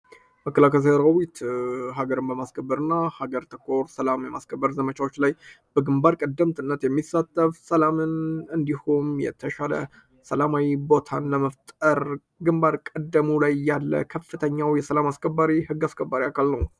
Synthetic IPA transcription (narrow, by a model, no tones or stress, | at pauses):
məkːəlakəshəɾawit̪ɦaɡəɾɨnbəmaskʰəbːəɾɨnːahaɡəɾt̪ʰəkʰːo̞ɾsəlamjɛmaskʰəbːəɾzəmət͡ʃʰawo̞t͡ʃːlaj | b̥əɡɨmbaɾkʼəd̪ːəmt̪ʰɨnːət̪jɛmːisːat̪ʼːəfsəlamɨnɨnd̪ihumjɛ̰t̪ʰəʃalə̰ | səlamawibo̞t̪ʰanləməft̪ʼəɾ | ɡɨmbaɾkʼəd̪ːəmulajːalːə̰kʰəfːɨt̪ʰəɲːawjɛsəlamaskʰəbːaɾihɨɡːaskʰəbːaɾiakʰalnəw